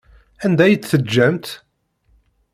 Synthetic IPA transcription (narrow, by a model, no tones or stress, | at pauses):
ænd̪æjət͡sːθəd͡ʒːæmt̪